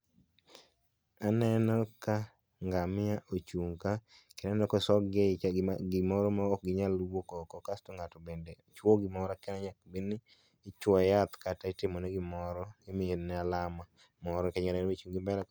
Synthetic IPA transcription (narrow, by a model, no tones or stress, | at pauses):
anɛnɔka | ŋɡamɪaʔot͡ʃuŋka | kɛnɛnɔkɔsɔɡeɡɪmɔɾɔmaɔk̚ɡɪɲalwokɔkɔkastoŋɡatɔbendeot͡ʃwoɡɪmɔɾakɛnaɲak̚bin | ɪt͡ʃwɔjat̪kataɪtɪmɔnɛɡɪmɔɾɔɪmɪenɛalama | mɔɾɔkɛɲanɛɾmet͡ʃuŋɡɪmbɛlɛ